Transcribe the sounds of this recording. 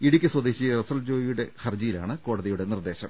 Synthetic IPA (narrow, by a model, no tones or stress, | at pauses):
iɽikʲːɨswɐd̪eːɕirɐsɐld͡ʑo̞ːjijuɽe̞xɐrd͡ʑijila̰ːɳɨko̞ːɽɐðijuɽe̞nird̪e̞ːɕɐm